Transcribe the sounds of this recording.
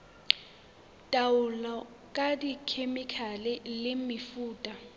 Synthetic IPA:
tʼawulɔ | kʼadikʰemikʰalɛlɪmifuːtʼa

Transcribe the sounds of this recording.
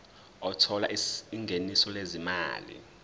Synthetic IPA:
ɔtʰɔla̰iŋɡʱenisɔlezima̰ːlḭ

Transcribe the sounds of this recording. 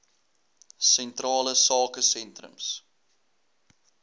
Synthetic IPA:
sɛntrɑːləsɑːkəsɛntrə̰ms

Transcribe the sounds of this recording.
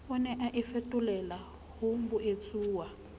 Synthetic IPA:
unɛʔaʔifetʼulɛla | hombuʔet͡sʼuːwa

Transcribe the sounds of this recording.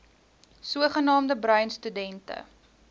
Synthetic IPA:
suəχənɑːmdəbɾœɥnstydɛntə̰

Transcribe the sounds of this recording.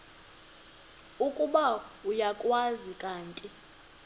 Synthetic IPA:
ukʼuɓaujakʼwazikʼaːntʼi

